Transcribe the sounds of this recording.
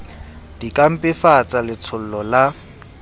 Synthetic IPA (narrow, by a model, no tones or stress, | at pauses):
d̥ikʼam̩pʼɪfat͡sʼalɪt͡sʰʊl̩lɔla